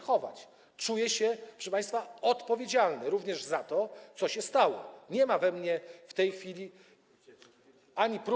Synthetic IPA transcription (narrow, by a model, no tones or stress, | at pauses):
xɔva̰t͡ɕ | t͡ʂujɛɕɛpʂə̥ʂpãj̃st̪faɔt̪pɔvʲjed͡ʑalnɛɾuvɲɛʐzat̪ɔt̪sɔɕɛst̪awɔɲɛmavɛmɲɛft̪ɛjxfʲilʲi | aɲipɾ